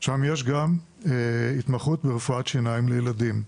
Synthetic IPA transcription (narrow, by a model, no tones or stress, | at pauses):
ʃamjeʃ̬ɡam | eit̪maχutbeʁefuatʃinaimlejeladim